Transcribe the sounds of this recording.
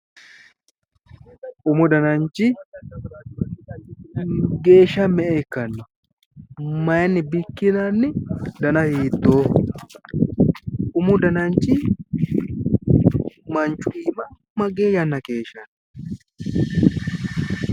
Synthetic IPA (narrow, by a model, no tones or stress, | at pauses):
ʔʊmʊd̪ɐnɐnt͡ʃːɪ | ɡe̞ːʃːɐmɛʔeːkːɐnːʊ | mɐjnːɪbɪkːɪnanːɪd̪ɐnɐhiːt̪ːoː | ʔʊmʊd̪ɐnɐnt͡ʃːɪ | mɐnt͡ʃːʊʔiːmɐ | mɐɡeːjɐnːɐke̞ːʃɐn